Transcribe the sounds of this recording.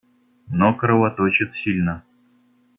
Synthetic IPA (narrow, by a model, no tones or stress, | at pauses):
nokɾəvat̪ot͡ɕɪt̪sʲilʲnə